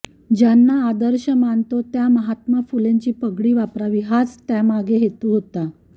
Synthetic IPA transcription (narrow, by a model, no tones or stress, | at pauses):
d͡ʑanːaːd̪əɾɕəmant̪ot̪jaməɦat̪mafuleɲt͡ɕiːpəɡɽiːʋapɾaʋiɦat͡st̪jamaɡeɦet̪uːɦot̪a